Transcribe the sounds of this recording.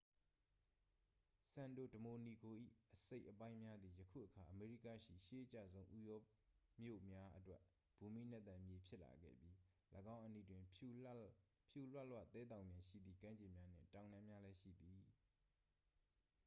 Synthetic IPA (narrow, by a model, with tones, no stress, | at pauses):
sã˨ndo̰˦˨dəmo˨ni˨ɡo˨ʔḭ˦˨ʔəse˦ɪʔəpã˦ɪ̃mja˦d̪ði˨jəkʰṵ˦˨ʔəkʰa˨ʔəme˨ɹi˦˨ka̰˦˨ʃḭ˦˨ʃe˦ʔət͡ɕa̰˦˨zõ˦ʊ̃ʔu˦jɔ˦ | mjo̰˦˨mja˦ʔətwɛ˦ʔ | b̥u˨mḭ˦˨n̥ɛ˦t̪ã˨mje˨pʰjɪ˦ʔla̰˨ɡɛ̰˦˨bji˦ləɡã˦ʊ̃ʔənḭ˦˨dwɪ̃˨ | pʰju˦˨lwɛ˦ʔlwä̰˦˨t̪ɛ˦d̪ã˨ʊ̃mjã˨ʃḭ˦˨d̪ðḭ˦˨kã˦ɲd͡ʑɪ̃˨mja˦n̥ɪ̰̃˦˨tã˨ʊ̃nã˦mja˦lɛ˦ʃḭ˦˨d̪i˨